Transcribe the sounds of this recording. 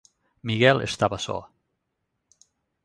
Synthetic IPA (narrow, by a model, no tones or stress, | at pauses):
miɣɛlˠḛst̪aβasɔ̰